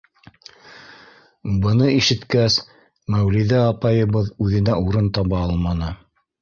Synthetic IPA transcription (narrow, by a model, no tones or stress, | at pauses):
bɤ̆nɤiʃɘ̆t̪kæs | mæwliðæɑpɑjɤ̆βɤðʉðɘ̆næʔuɾɤnt̪ɑβɑɑlˠmɑnɤ